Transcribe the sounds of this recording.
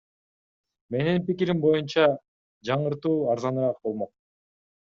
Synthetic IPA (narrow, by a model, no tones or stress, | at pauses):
me̞ninpikiɾimbo̞junt͡ʃɑ | d͡ʒɑɴɯɾt̪uːɑɾzɑnɯɾɑq̚bolˠmo̞q̚